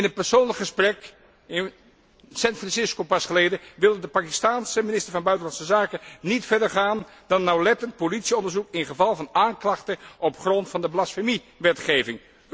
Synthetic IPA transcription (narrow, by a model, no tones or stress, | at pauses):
ɪnət̚pɛɹsoːnləkχəsprɛk | sɛnfrɑnsɪskopɑsχəleːdəʋɪlˠədəpaːkistaːnsəminɪstəɹvɑnbœɥtənlɑnsəzaːkənitfɛɹdəɹχaːn | dɑnnːawlɛtənt̚politsiɔndəɹzukɪnχəvɑlˠvɑnaːŋklɑχtəʔɔpχrɔntfɑndəblasfemi | ʋɛtχeːvɪŋ